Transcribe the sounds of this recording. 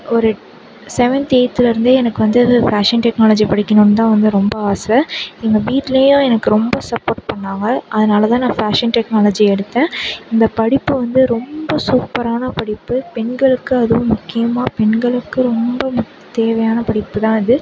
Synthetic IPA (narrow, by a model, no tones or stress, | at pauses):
ɔɾɯ | sɛʋɐnt̪eːt̪ːɪlɪɾɯnd̪ɯɛnɐkːɯʋɐnd̪ɯfaːʂɐnʈɛknaːlɐːd͡ʒipɐɽɪkʲːɐnonːɯt̪ãːʋɐnd̪ɯɾɔmbɐaːsɾɐɛŋɡɐbiːʈlɐjʊ̃ɛnɐkːɯɾɔmbɐsɐpːoːɾʈ̚pɐɳːaːŋɡɐʔːðɐnaːlɐt̪ãːnãːfaːʂɐnʈɛknaːlɐd͡ʒiɛɽɯt̪ːẽːɪnd̪ɐpɐɽɪpːɯʋɐnd̪ɯɾɔmbɐsuːpːɐɾaːnɐpɐɽɪpːɯpɛɳɡɐɭɯkːɯɐðɯʋʊ̃mʊkːɪjɐmaːpɛɳɡɐɭɯkːɯɾɔmbɐm | t̪eːʋɐjaːnɐpɐɽɪpːɯt̪ãːɪðɯ